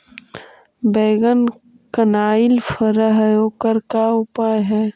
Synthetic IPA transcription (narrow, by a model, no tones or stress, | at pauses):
beːɡən | kənaːɪlfəɾəɦjoːkəɾkaʊpaːjɦɛː